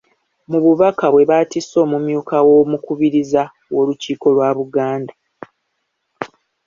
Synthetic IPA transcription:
muβuβakaβwe̞βatiso̞ːmumjuːkawo̞mukuβiɾiza | wo̞ːluciːko̞lwaːβuɡaːnda

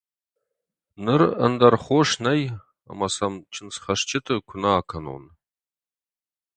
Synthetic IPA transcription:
nɨrə̰ndɐrχʷoʂnɐj | a̰mɐsɐmt͡ʃʰɪnsχɐʂt͡ʃʰɪtʰɨkʷʰʊnaːkʰɐno̰n

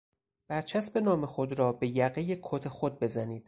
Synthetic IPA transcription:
b̥æɾt͡ʃʰæsbe̞nɒːme̞xod̪ɾɒːbe̞jæɣejekʰot̪ʰe̞xod̪̚be̞zæniːd̪̥

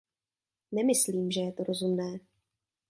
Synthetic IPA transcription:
nɛmɪsliːmʒɛjɛt̪o̞ɾo̞zumnɛː

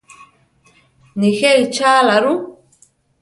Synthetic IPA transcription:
nixeɾit͡ʃaːlaɾu

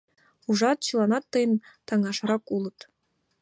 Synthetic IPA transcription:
χuʐɑt̪̚t͡ɕɯlˠɑnɑt̪ːɤjɤnt̪ɑŋɑʃɾɑkulˠɤ̆t̪

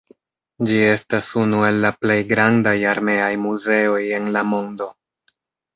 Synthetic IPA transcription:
d͡ʒie̞stasunue̞lːaple̞jɡɾandajaɾme̞ajmuze̞o̞je̞nlamo̞ndo̞

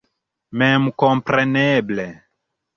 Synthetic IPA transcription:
mɛmukɔ̃mpɾɛnɛble

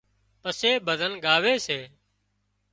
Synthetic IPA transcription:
pəseːbʱəd̪ʱənɡaːʋeːseː

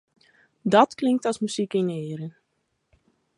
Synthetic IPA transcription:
dɔtklɪŋk̚tɔsmyz̥ikinɪːɾən

